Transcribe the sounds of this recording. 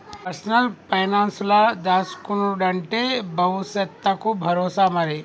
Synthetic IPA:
pɐɾsnəlpɐjnanslad̪askunuɖaɳʈebɐusɐt̪ːakubʱɐɾosamaɾe

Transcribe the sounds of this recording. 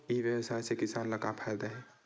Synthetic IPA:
iʋjəwsaisekɪsaːnləkapʰɛld̪aɦɛ

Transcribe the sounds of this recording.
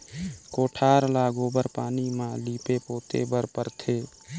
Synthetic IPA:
koːʈʰaːɾlaːɡobəɾpaːnimãliːpepoːt̪ḛbəɾpəɾt̪ʰeː

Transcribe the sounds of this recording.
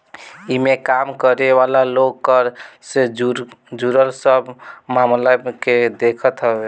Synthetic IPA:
imekamkəɾeʋalaloɡkəɾse | d͡ʒuɾəlsəbmamlaked̪ekʰət̪ɦəbe

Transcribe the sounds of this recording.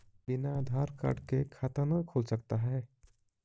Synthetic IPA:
bɪnaːd̪ʱaːɾka̰ːɾɖkekʰaːt̪ənəkʰolsək̚t̪aɦɛː

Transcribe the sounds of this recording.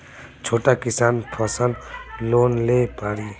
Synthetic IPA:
t͡ʃʰoːʈakɪsaːnpʰəsə̃nd̪loːnlepaːɾiː

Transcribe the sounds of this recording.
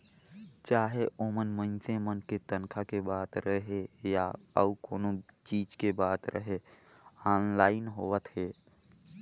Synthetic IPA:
t͡ʃaːɦeʔoːmənmə̃nsẽmənket̪ənkʰakebaːt̪ɾəɦejaə̰ukoːnot͡ʃiːd͡ʒkebaːt̪ɾʔə̰ɦe | aːnlaːɪnɦoːət̪ɦeː

